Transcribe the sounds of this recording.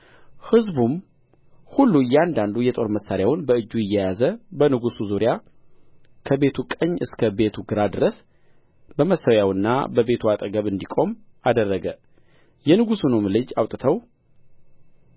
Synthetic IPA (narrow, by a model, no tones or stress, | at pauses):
hɨzbum | hulːujɛand̪and̪ujɛt̪ʼo̞ɾməsːaɾjawʊnbəɨd͡ʒːujɪjːɛjazəbənɨɡusuzuɾija | kʰəbe̞t̪ʰukʼəɲːɨskʰəbe̞t̪ʰuɡɨɾad̪ɨɾəs | bəməsːəwjawɨnːa̰bəbe̞t̪ʰuat̪ʼəɡəβɨnd̪ikʼo̞m | ad̪ərːəɡə | jɛnɨɡusunomɨlɨd͡ʒawt̪ʼɨt̪ʰəw